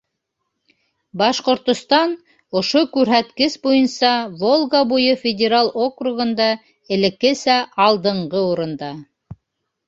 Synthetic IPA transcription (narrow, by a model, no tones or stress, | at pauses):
bɑʃqŏɾt̪ŏst̪ɑn | ŏʃokʉɾɦæt̪kɘsbujɤnsɑvolˠɡabujɤfʲɪdʲeɾalˠokruɣɤ̆nd̪ɑ | ɘ̆lɘ̆kɘsæɑlˠd̪ɤ̆ɴɢɤuɾɤ̆nd̪ɑ